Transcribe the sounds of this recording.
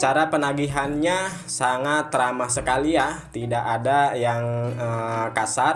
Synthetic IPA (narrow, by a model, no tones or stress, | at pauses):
t͡ʃaɾapənaɡiɦanɲa | saŋat̪ːəɾamasəkaliat̪idakadajaŋəkasar